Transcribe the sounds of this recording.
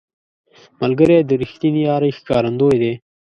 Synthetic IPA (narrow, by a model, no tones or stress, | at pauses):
məlɡəɾed̪əɾɪxt̪inijɑːɾəxkɑːɾɐnd̪ojd̪eː